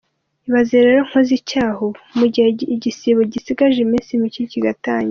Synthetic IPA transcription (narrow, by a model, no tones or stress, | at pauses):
iβazeɾeɾoŋ̥hozicaːhomuɟiheɟisiβoɟisiɡaʒemiːnsimiciciɡataːɲi